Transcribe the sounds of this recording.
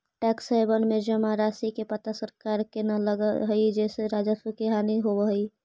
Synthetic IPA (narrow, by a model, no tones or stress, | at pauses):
ʈɛksaɪbənmed͡ʒəmaɾasikepət̪asəɾkaɾkenaləɡəɦəid͡ʒɛseɾad͡ʒəskeɦaniɦobəɦəi